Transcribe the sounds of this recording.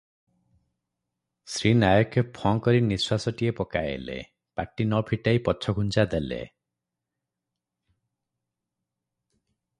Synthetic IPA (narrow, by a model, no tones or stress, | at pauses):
sɾinajɔkʰjepʰɔŋkɔɾiniswasɔʈiepɔkaḛlḛ | paʈinɔpʰiʈajpɔt͡ʃʰɔɡʱunt͡ʃad̪elḛ